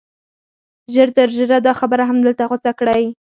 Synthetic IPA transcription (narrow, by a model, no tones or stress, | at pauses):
ʒəɾt̪əɾʒəɾad̪ɑxabəɾaɦamd̪əlt̪aɣʊt͡sakɽaj